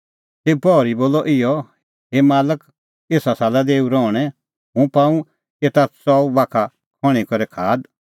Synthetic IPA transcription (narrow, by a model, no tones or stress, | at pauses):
teːpɔɾiboːlɔʔɪjɔ | ɦemaːlək | eːsasaːlad̪eːuɾɔːɽ̃ɛ̃ | ɦũpãːũ | et̪asɔːubaːkʰa | kʰɔɽ̃ikɔɾɛkʰaːd̪